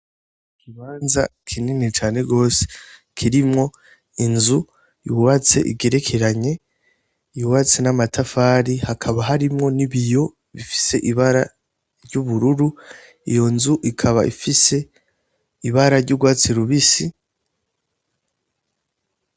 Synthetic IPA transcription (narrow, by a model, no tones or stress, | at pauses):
ikiβaːnzakʰininit͡ʃaːne̞ɡo̞ːse̥ | kʰiɾimŋo̞ | inzu | iwat͡se̞̰ʔḭɡe̞ɾe̞kʰeɾaɲe̞ | iwat͡senamatʰafaːɾihakʰaβaɦaɾimŋo̞niβijo̞ | βifi̥se̞ʔiβaɾa | ɾɟuβuɾuɾu | ijo̞nzuʔikʰaβaʔḭfise̞ | iβaɾaɾɟuɡwaːt͡siɾuβisi